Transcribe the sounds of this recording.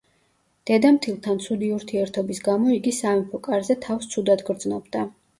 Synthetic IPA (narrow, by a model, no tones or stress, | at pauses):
d̪̥ɛd̪amt̪ʰilˠt̪ʰant̪sʰud̪iuɾt̪ʰiɛɾt̪ʰɔbisɡamɔiɡisamɛpʰɔkʼaɾzɛt̪ʰafst̪sʰud̪ad̪ɡɾd̪znɔbd̪a